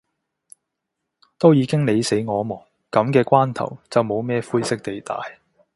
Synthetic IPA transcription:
t̪o˥wjiː˨˧˥kɪ˥ŋne˨˧jse˨˥jŋɔː˨˧mɔː˨˩ŋ | kɐ˨˥mkɛː˧kʷaː˥nt̪ʰɐ̰˨˩wt͡sɐ˨wmo˨˧wmɛː˥fuː˥jsɪ˥k̚t̪e˨jt̪a̰ː˨j

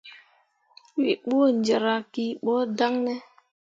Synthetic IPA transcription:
wi˨ɓu˦o˦˨nd͡ʒe˨ɾa˨ki˨ɓɔ˦da˦ŋnɛ˦

